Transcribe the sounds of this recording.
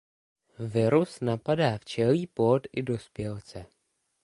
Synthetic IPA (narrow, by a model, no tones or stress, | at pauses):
vɪɾusnapadaːft͡ʃɛliːpot̪ʔɪdo̞spjɛlt͡sɛ